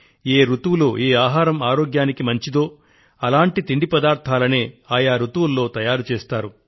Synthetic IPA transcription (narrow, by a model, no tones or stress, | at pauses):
eːɾut̪ʋuloːʔeːaːɦaːɾɐmaːɾo̞ːɡjaːnikimɐɲt͡ʃid̪o̞ː | ɐlaːɳʈit̪iɳɖipɐd̪aːɾt̪ʰaːlɐneːaːjaːɾut̪ʋulːo̞ːt̪ɐjaːɾut͡ʃeːst̪aːɾu